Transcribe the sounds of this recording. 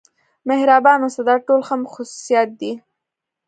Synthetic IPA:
mɪhɾɑbɑnosad̪ɑʈolxəmxʊsu̥sijɑt̪̚d̪i

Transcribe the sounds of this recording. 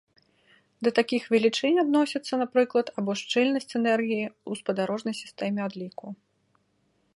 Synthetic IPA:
d̪ɐt̪akʲixvʲɛlʲit͡ʂɛnʲad̪nɔsʲɐt̪sːɐnapɾɨklˠɐt̪abɔʂt͡ʂɛlʲnɐsʲt͡sʲɛnɛrɣʲijiuspɐd̪aɾɔʐnɐjsʲi̥st̪ɛmʲɛad̪lʲiku

